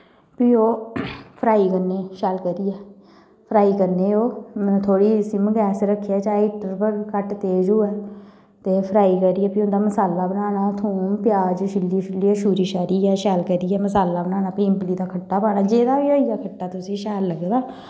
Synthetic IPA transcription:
piːoːpʰəɾaːiːkəɾneːʃɛːlkəɾiːɛː | pʰɾaːiːkəɾneːõːt̪ʰoːɽiːsĩːməɡɛːsɾəkʰːɛːt͡ʃaːɪʈəɾpəɾkəʈt̪eːd͡ʒoːɛː | t̪eːpʰəɾaːiːkəɾiːɛːpiːʊ̃nd̪aːməsaːlːaːbənaːnaːt̪ʰuːmpɪjaːd͡ʒʃɪlːiːʃɪlːiːɛːʃuːɾiːʃaːɾiːɛːʃɛːlkəɾiːɛːməsaːlaːbənãːnãːpĩɪmpliːd̪aːkʰəʈːaːpaːɽaːd͡ʒeːd̪aːʋiːoːijaːkʰəʈːaːt̪ʊsĩːʃɛːlːəɡd̪aː

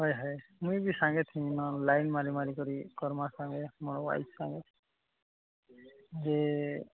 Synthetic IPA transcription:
ɦɔjɦɔjmujbisaŋɡet̪ʰĩnɔlajnmaɾimaɾikɔɾikɔɾmasãŋɡɛmɔnwa̰jsaŋɡɛ | ze

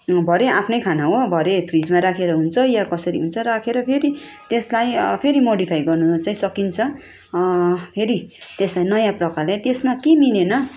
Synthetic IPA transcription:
bʱʌɾeʔapʰnʌjkʰanaɦobʱʌɾepʰrid͡zmaɾakʰeɾʌɦunt͡sʰʌjakʌsʌɾḭɦunt͡sʰʌrakʰeɾʌpʰeɾit̪eslajpʰeɾimoɽipʰajɡʌrnut͡saĩsʌkint͡sʰʌ | pʰeɾit̪eslajnʌjãprʌkarlet̪esmakeminenʌ

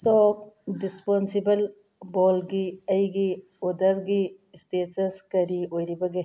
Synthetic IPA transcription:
sɔːkɖispɔnsibəl | bɔːlɡiɐjɡi | od̪ɐɾɡi | steːsɐskɐɾioɾibɐɡe

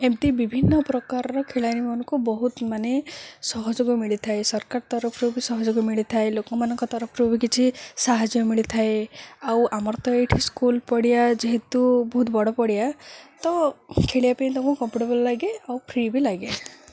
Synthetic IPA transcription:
emʈ̪ibibʱinːɔpɾɔkaɾɔɾɔkʰeɭajnimɔnɔ̃ŋkubɔɦut̪manesɔɦɔd͡ʒoɡɔmiɭit̪ʰaesɔɾkaɾt̪ɔɾɔpʰɾubisɔɦɔd͡ʒɔɡɔmiɭit̪ʰaelokɔmanɔŋkɔt̪ɔɾɔpʰɾubʱikit͡ʃʰisaɦad͡ʒjɔmiɭit̪ʰaeawʔamɔɾt̪ɔeʈʰiskulpɔɽijad͡ʒeɦet̪ubɔɦut̪bɔɽɔpɔɽijat̪ɔkʰeɭijapaĩt̪ɔ̃ŋkukɔmpuʈebɔllaɡeawpʰɾibilaɡe

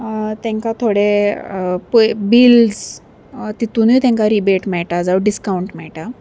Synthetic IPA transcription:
t̪ɛ̃ŋkat̪ʰoɽe | pubild͡z | t̪it̪unujt̪ẽŋkaɾibeʈmɛɭʈad͡zawɖiskauɳʈmɛɭʈa

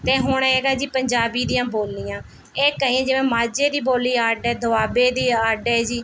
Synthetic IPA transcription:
t̪eːɦʊɳeːɡaːd͡ʒiːpəɲd͡ʒaːbiːd̪ɪjãːboːlniːjãː | eːkəiːɛ̃ːd͡ʒɪʋɛ̃ːmaːd͡ʒeːd̪iːboːlːiːaːɖɛːd̪əʋaːbeːd̪iːaːɖɛːd͡ʒiː

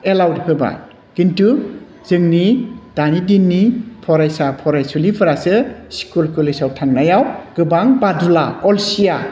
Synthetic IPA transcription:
elawdipʰɯba̰ | ɡ̥intu | z̥ɯŋnid̥anidinːipʰɔɾajsapʰɔɾajsulipʰɯɾasɯsi̥kulkɯlɯsawtʰaŋnajawɡ̥ɯbaŋbadulakɔlsija

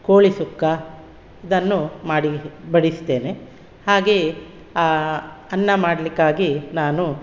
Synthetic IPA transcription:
koːɭisukːɐ | id̪ɐnːumaːɽibɐɽist̪e̞ːne | haːɡe | aɐnːɐmaːɽɐlikːaːɡinaːnu

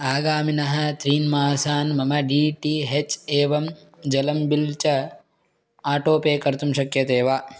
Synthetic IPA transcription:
aːɡaːminɐɦɐ̆t̪ɾiːnmaːsaːnmɐmɐɖiːʈiɦet͡ʃeːʋɐm | d͡ʒɐlɐmbilt͡ʃɐ | aːʈoːpeːkɐɾt̪umʃɐkjɐt̪eːʋaː

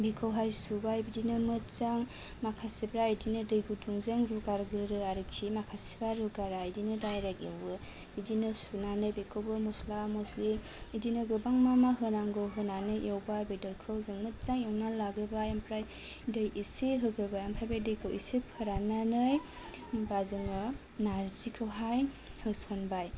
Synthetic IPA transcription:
bekʰɯwɦajsubajbidinɯmɯt̚t͡ʃaŋ | makʰasibɾaidinɯdɯjɡuduŋzɯŋɾuɡaɾɡɾɯɾɯaɾiksʰimakʰasi̥baɾuɡaɾaidinɯdajɾakewbɯ | bidinɯsunanɯjbekʰɯwbɯmɔslamɔslim | idinɯɡɯbaŋmamaɦɯnaŋɡɯwɦɯnanɯjewbajbejdɔɾkʰɯwzɯŋmɯt̚z̥aŋjewnalaɡɾɯbajampʰɾaj | dɯjʔiseɦɯɡɾɯbajampʰɾajbajdɯjkʰɯwḭsepʰɯɾananɯj | bazɯŋɯ | naɾzikʰɯwɦaj | hɯsɔnbaj

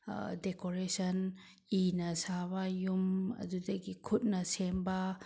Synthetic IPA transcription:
dekoɾesɐn | inɐsabajumɐ̰dudɐɡikʰut̚nɐsembɐ

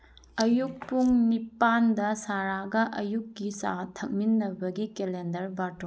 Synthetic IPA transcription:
ɐjuk̚puŋnipandɐsaɾaɡɐʔɐjukːisa̰tʰɐk̚minːɐbɐɡikelendɐɾbaɾto

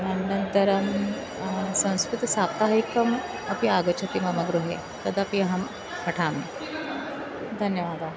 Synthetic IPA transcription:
nəɳɖənt̪əɾəm | sə̃w̃skɾut̪sap̚t̪aɦɐikːəm | ɐpiaɡət͡ɕʰɐt̪imɐməɡɾuɦḛ | t̪ɐd̪apiɦam | pɐʈʰame | d̪ʱənjəʋaːd̪a

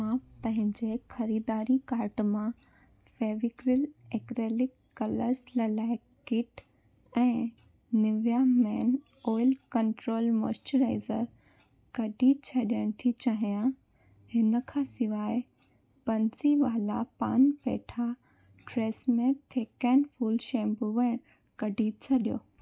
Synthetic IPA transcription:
aːpp̪ɐ̃ɦɪ̃ɲd͡ʑexɐɾiːd̪aːɾikaːɾʈmã | feːʋɪkɾɪleːkɾeːlɪkːɐləɾslalaːɪ | kɪʈ | ɛ̃ː | nɪʋjamɛːn | ɔːɪlkɐɳʈɾoːlmo̰ːsʈəɾaːɪzəɾ | kɐɖʱit͡ɕʰɐɗijəɽ̃t̪ʰit͡ɕaːɦijã | hɪnəkʰãsɪʋaːɪ | pɐ̃nsiʋaːlapa̰ːnpḛːʈʰa | ʈɾeːsmẽt̪ʰeːkɛːnfuːlʃẽːmbuʋɐɽ̃ | kɐɖʱit͡ɕʰɐɗijo̰ː

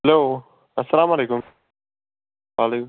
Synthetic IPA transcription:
hloː | ɐsːɐlaːmaleːkʊm | ʋaːlek

